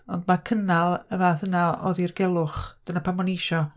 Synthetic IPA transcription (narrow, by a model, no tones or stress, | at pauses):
ɔndmakʰənalˠəvaθənaɔ̰ðirɡɛlˠʊχd̥ənapʰamɔnejʃɔ